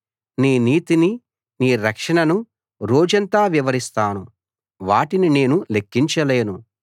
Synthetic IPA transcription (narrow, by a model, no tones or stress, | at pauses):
niːniːt̪ini | niːɾɐkʂɐɳɐnu | ɾoːd͡ʒɐnt̪aːʋiʋɐɾist̪aːnu | ʋaːʈinine̞ːnulekːiɲt͡ʃɐle̞ːnu